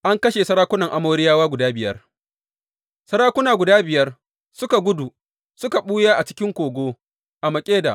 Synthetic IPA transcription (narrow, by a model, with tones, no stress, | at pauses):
ʔa˦ŋkɐ˦ʃe˨sɐ˦ɾaː˦kʷʊ˦nɐ˨ŋʔa˨moː˦ɾɪ˦jaː˦waː˦ɡʷʊ˨daː˦bɪ˨jɐ̰˦r | sɐ˦ɾaː˦kʷʊ˦naː˨ɡʷʊ˨daː˦bɪ˨jɐ˦r | sʊ˦ka˨ɡʷʊ˦du˨ | sʊ˦ka˨ɓuː˦jaː˦ʔa˨t͡ʃɪ˦kʲɪ˦ŋkʷoː˨ɡʷoː˦ | ʔa˨mɐ˨kʲʼeː˦da̰˨ʔ